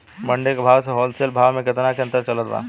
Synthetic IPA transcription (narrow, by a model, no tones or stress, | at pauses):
mɐ̃ɳɖekabʱaːʋseɦɔːlseːlbʱaːʋmẽkɪt̪nakeɐ̃nt̪əɾt͡ʃɐlət̪ʋa̰ː